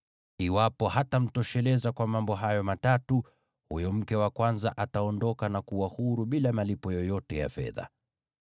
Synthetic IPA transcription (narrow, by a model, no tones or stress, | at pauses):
iwapɔhatam̩tɔʃɛlɛzakwamambɔɦajɔmatatu | hujɔm̩kɛwakwanzaʔataɔndɔkanakuwahuɾuɓilamalipɔjɔjɔtɛja̰fɛ̰ða̰